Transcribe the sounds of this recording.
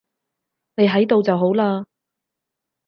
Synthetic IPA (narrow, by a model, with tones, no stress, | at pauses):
ne˨˧jɦɐ˨˥jt̪o˨wt͡sɐ˨wɦo˨˥wlaː˧